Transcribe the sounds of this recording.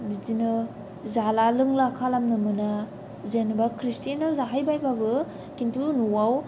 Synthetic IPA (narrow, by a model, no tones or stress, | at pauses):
bizinɯ | zalalɯŋlakʰalamnɯmɯna | zenbakʰɾistenawzaɦajbajbabɯ | kintʰunuwaw